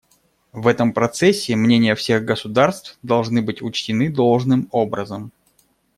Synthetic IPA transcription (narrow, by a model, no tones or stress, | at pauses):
vɛt̪əmpɾɐt̪sɛsʲːɪmnʲenʲɪjəfsʲe̞ɣɡəsʊd̪arst̪fd̪ɐlˠʐnɨbɨtʲʊt͡ɕtʲɪnɨd̪o̞lˠʐnɨmo̞bɾəzəm